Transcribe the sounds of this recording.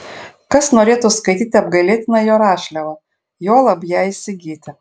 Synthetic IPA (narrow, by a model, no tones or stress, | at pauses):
kɐsnoɾʲeːt̪ʊskɐɪt̪ʲit̪ʲɐb̚ɡɐlʲeːt̪ʲnɐjoːɾɑːʃʲlʲɛʋɐ | joːlˠɐbjæɪsʲɪɡʲiːt̪ʲɪ